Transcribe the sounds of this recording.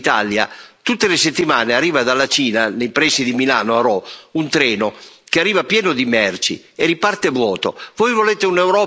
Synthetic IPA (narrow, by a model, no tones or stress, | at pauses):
t̪a̰lja̰t̪ut̪ːeleset̪ːimaːnearːiːvad̪alːat͡ʃiːnanejpɾɛsːid̪imilaːnoaɾɔunt̪ɾɛːnokearːiːvapjɛːnod̪imɛrt͡ʃḭ | eripart̪evwɔːt̪o̰vɔjvoleːt̪eunɛwɾɔː